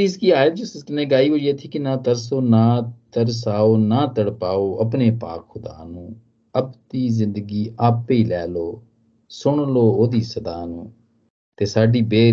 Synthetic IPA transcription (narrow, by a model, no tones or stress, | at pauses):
iskiːaːɪld͡ʒoːsɪsneːɡaːiːoːd͡ʒeːt̪ʰiːkɪnãːt̪əɾsoːnaːt̪əɾsaːoːnaːt̪əɽpaːoːʔəpneːpa̰ːkxʊd̪a̰ːnũː | əpt̪iːzɪ̃nd̪ɡiːʔaːpiːlɛːloː | sʊɳloːoːd̪iːsəd̪aːnṵ̃ː | t̪eːsaːɖiːbeː